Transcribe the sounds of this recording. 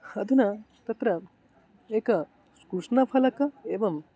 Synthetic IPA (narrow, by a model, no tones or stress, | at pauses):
hɐd̪ʱunɐ | t̪ɐt̪ɾɐ | eːkɐ | skɾuʂnɐpʰɐlɐkɐeːʋɐm